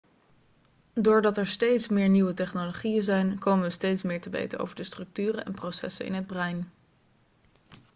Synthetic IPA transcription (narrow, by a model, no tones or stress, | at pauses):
dʊːɹdɑtɛɹstejtsmɪːɹniwətɛχnoloχijənzɛjnkowmənʋəstejtsmɪːɹtəʋḛjtəo̰wvəɹdəstrɵk̚tyːrənɛ̰nprosɛ̰sənɪ̰nɦəd̚brɛjn